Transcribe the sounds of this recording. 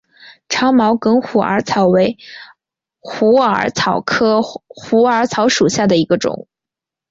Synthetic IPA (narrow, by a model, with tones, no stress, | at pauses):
ʈ͡ʂʰɑ˧˥ʊmɑ˧˥ʊkɤ˧˥ŋxu˨˩ə̰˧˥t͡sʰɑ˨˩ʊwe˧˥ɪ | xu˧˥ə̰˞˧˥t͡sʰɑ˨˩ʊkʰɤ˥xu˧˥ə˞˧˥t͡sʰɑ˧˥ʊʂu˨˩ɕja˥˩d̪ə˩i˧˥ɡə˧ʈ͡ʂʊ̰˨˩˦ŋ